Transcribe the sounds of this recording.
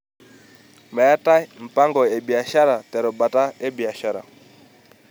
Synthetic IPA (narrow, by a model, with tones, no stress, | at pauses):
mɛ˨a˦ta˦m̩˨pa˦ŋɡɔ˨ɛ˨bi˨a˨ʃa˦ɾa˨tɛ˨ɾɔ˨ba˨ta˦ɛ˦bi˨a˨ʃa˦ɾa̰˨